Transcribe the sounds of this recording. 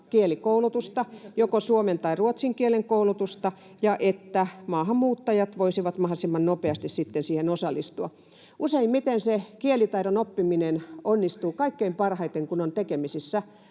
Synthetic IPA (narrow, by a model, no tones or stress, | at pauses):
kielikoulut̪ust̪ɑjokosuoment̪ɑiruot̪siŋkieleŋkoulut̪ust̪ɑ | jɑʔet̪ːæmɑːhɑmmuːt̪ːɑjɑt̪ʋoisiʋɑt̪mɑhlisimːɑnnopeɑst̪issit̪ːensiːhenosɑlˑːist̪uɑ | useimmit̪ensekielit̪ɑiɾonopːiminenonːist̪uːkɑikːeimpɑrhɑit̪eŋkunont̪ekemisisːæ